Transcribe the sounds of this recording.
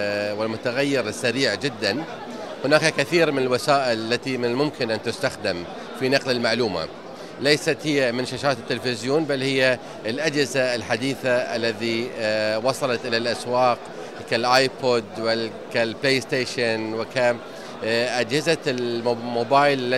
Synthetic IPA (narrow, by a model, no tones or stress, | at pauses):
wɪlmʊt̪aɣajːɪɾɪsːaɾiːʕd͡ʒɪd̪ːan | hʊnaːkakaθiːɾmɪnɪlwasaːʔɪlalːat̪imɪnɪlmʊmkɪnʔant̪ʊst̪axd̪ɪm | finɑqlɪlmaʕluːma̰ | lejsat̪hɪjːamɪnʃaʃaːt̪ɪt̪ːɪlfɪzjoːnbalːhɪjːa | ɪlʔad͡ʒhɪzaɪlħad̪iːθaʔa̰lːaðiwɑsˤɑlɑt̪ʔɪlalʔaswɑːq | kalʔaːjpod̪wɪ | kalpleːɪst̪eːʃɪnwɪka | ʔad͡ʒhɪzalmoːbaːjllːa